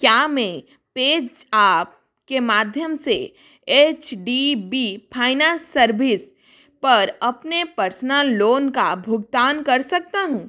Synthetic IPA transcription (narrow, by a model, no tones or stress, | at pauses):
kjaːmɛ̃ | peːd͡ʒaːp̚ | kemaːd̪ʱjəmse | eːt͡ʃɖibipʰaːɪnãsɐɾʋɪs | pɐɾɐpnepɐɾsnalloːnkabʱʊɡt̪aːnkɐɾsɐk̚t̪aɦũː